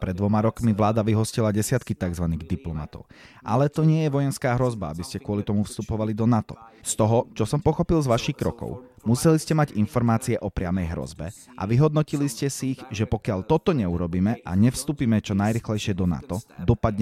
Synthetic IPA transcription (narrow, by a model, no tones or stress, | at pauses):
pɾɛd̪ːʋɔmaɾɔkmiʋlaːd̪aʋiɦɔscilaɟɛsɪat̪kit̪aɡzʋaniːɣd̪iplɔma̰t̪ɔ̰ʊʔalɛt̪ɔɲɪɛjɛʋɔjɛnskaːɦɾɔzbaabiscɛkʊɔlit̪ɔmufst̪upɔʋalid̪ɔnat̪ɔ̰st̪ɔɦɔt͡ʃɔsɔmpɔxɔpilzʋaʃixkɾɔkɔ̰ʊmusɛliscɛmaɟinfɔɾmaːt͡siɛʔɔpɾɪamɛjɦɾɔ̰zbɛ̰ʔa̰ʋiɦɔd̪̚nɔciliscɛsiːɣʒɛpɔkɪalt̪ɔt̪ɔɲɛuɾɔbiːmɛʔaɲɛfst̪uːpiːmɛt͡ʃɔnajɾiːxlɛjʃɪɛd̪ɔna̰t̪ɔd̪ɔpad̪ɲɛ